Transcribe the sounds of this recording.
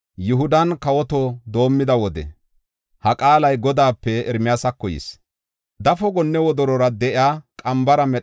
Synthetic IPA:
jʊɦʊd̪ɐnkɐwɔt̪ɔd̪o̞ːmːɪd̪ɐwɔd̪ɛ̰ | hɐkʼaːlɐjɡɔd̪aːpːɛɛɾmɪjaːsɐkːɔjɪ̰s | d̪ɐfɔɡɔnːɛwɔd̪ɔɾɔɾɐd̪ɛʔɪaːkʼɐmbɐɾɐmɛ

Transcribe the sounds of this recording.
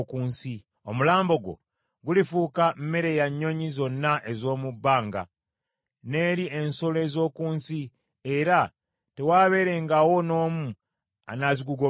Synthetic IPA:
kuːnsi | omulaːmbo̞ɡo̞̰ | ɡulifuːkammeɾe̞jaɲːo̞ɲizo̞nːaʔe̞zo̞ːmubːaːŋɡa̰ | ne̞ːɾie̞nsole̞ːzo̞ːkuːnsi | eɾa | te̞waːβe̞ɾe̞ŋɡawo̞no̞ːmu | a̰naziɡuɡo

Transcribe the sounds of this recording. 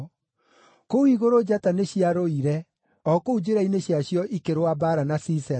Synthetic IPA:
koiɣoɾod͡ʑataneɕiaɾoiɾɛ | ɔkoud͡ʑeɾaineɕjaɕjɔʔikeɾwabaɾanasisɛ

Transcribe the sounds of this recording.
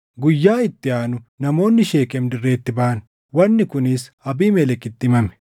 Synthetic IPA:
ɡʊjːaːɪt̪ːɪaːnʊnɐmo̞ːnːɪʃe̞ːkɛmd̪ɪrːe̞ːt̪ːɪbɐʔɐn | wɐnːɪkʊnɪsɐbiːmɛlɛkːɪt̪ːɪɪmɐmɛ̥

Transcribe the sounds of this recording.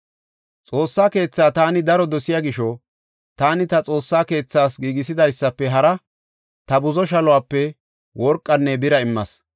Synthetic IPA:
t͡sʼo̞ːsːaːke̞ːt͡sːaːt̪aːnɪd̪ɐɾɔd̪ɔsɪjaːɡɪʃɔ | t̪aːnɪt̪ɐt͡sʼo̞ːsːaːke̞ːt͡sːaːsɡiːɡɪs̬ɪd̪ɐjsːɐpːɛɦɐɾɐ | t̪ɐbʊzɔʃ̬ɐlɔʊwaːpːɛ | wʔɔɾkʼːɐnːɛbɪɾɐɪmːɐs

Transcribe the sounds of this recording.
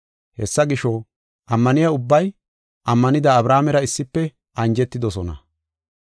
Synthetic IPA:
hɛsːɐɡɪʃɔ | ʔɐmːɐnɪjɐʊbːɐj | ʔɐmːɐnɪd̪ɐːbɾaːmɛɾɐɪsːɪpːɛ | ɐnd͡ʒɛt̪ːɪd̪ɔsɔnɐ̰

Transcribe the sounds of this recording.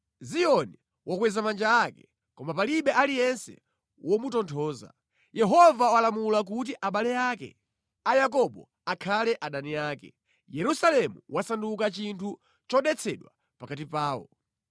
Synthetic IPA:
ziɔni | wʔɔkwɛzamand͡ʒaakɛ̥ | kɔmapaliɓɛʔalijɛnsɛ̰ | wɔmutɔntʰɔːza̰ | jɛɦɔvawalamulak̬ut̬iʔaɓalɛjaːkɛ̰ | ajakɔɓɔ | akʰalɛʔaɗaniaːkɛ | jɛɾusalɛmuwasandukat͡ʃintʰu | t͡ʃɔɗɛt͡sʰɛɗwa | pakat̬ipaːɔ̰

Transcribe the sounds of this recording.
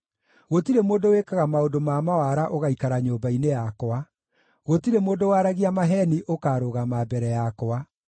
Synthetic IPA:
ɣotiɾemoːndowekaɣamaodomamawaɾaʔoɣaikaɾaɲoːbainejakɔwa | ɣotiɾemoːndowaɾaɣiamaɦɛniʔokaːɾoɣamabɛɾɛjakɔwa

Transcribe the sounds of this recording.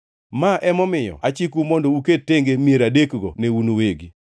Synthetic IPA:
maʔɛmɔmɪjɔ̰at͡ʃikumɔndɔuket̚tːeŋɡemieɾadekɡɔ̰neunoweɡi

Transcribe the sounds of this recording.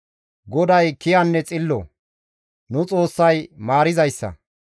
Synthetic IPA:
ɡɔd̪ɐjkɪjɐnːɛt͡sʼɪlːɔ̰ | nʊt͡sʼo̞ːsːɐjmaːɾɪzɐjsːɐ̰

